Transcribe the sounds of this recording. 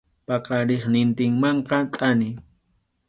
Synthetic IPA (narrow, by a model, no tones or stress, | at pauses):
pɑqɑɾeχnɪnt̪ɪŋmɑɴqɑt̪ʼanɪ